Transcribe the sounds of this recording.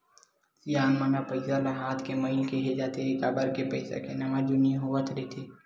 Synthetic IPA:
sijaːnmanapəɪsalaɦaːt̪ʰkemɐɪlkeɦed͡ʒaːt̪eɪkaːbəɾkepəɪsa̰kenɐʋãd͡ʒʊnij̃ɦuʋət̪ʰɾɛt̪ʰiː

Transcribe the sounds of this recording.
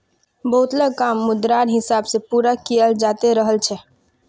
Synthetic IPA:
bəɦut̪ləɡ̚kamːud̪ɾaɾɦɪsabsepuɾakijəld͡ʒat̪eɾəɦəlt͡ʃʰɛ

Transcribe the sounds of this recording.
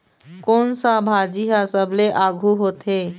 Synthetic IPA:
konsabʱad͡ʒiɦasəbleʔaɡʱuɦot̪ɦe

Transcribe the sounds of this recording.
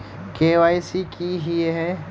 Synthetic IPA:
keːʋaːjsikiɦiɦɛ

